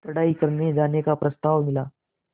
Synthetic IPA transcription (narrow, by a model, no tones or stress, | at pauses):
t̪əɽaikəɾned͡ʒanekapɾəst̪aʋmilaː